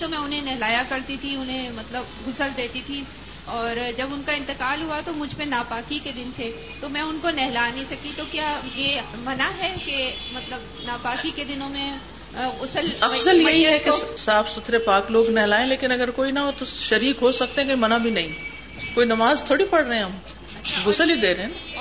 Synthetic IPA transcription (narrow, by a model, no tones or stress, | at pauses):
t̪omɛ̃ːʊnɦẽnɛɦlaːjakɐɾt̪it̪ʰiʊnɦẽmɐt̪ləbɡʊsəld̪eːt̪it̪ʰi | ɔːɾd͡ʒɐbʊnkaɪ̃nt̪ɪkaːlɦuat̪omʊd͡ʒʱpẽnaːpaːkiked̪ɪnt̪ʰeː | t̪omɛ̃ʊnkonɛɦlanĩsɐkit̪okjaːje | mɐnaɦɛkemɐt̪ləb | naːpaːkiked̪ɪnõmẽ | ɡʊsəlɐfzəljɐɦiɦɛkesaːfʰsʊt̪ʰɾepaːkloːɡnɛɦlaːẽleːkɪnɐɡəɾkoːinɐɦot̪oʃɐɾiːkɦosɐk̚t̪ẽɦɛ̃koimɐnabʱinɐɦĩ | koːinɐmaːzt̪ʰoːɽipɐɽɾəɦɛ̃ɦɐm | ɐːʃʰɡʊsəlid̪eːɾɐɦɛ̃na